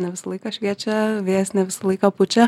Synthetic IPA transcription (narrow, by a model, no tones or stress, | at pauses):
nʲɛʋʲɪsɐlˠɐɪkɑʃʲʋʲiɛt͡ʃʲɛʋʲeːsʲnʲɛʋʲɪsɐlˠɐɪkɑːpʊt͡ʃʲɛ